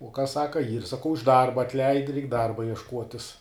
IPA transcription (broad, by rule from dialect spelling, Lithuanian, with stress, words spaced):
uɔ kɐs ˈsɑːkɐ iːr sɐˈkɐʊ ɪʃ ˈdɐrbɐ ɐtʲˈlʲɛɪt rʲɛɪk ˈdɐrbɐ iɛʃˈkuɔtʲɪs